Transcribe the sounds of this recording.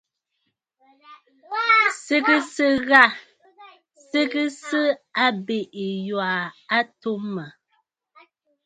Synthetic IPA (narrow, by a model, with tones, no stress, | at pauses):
se˦kɨ˦sɨ˦ɣa˦˨ | se˦kɨ˦sɨ˦a˦be˨ʔi˨jwa˨a˦to˦mə˨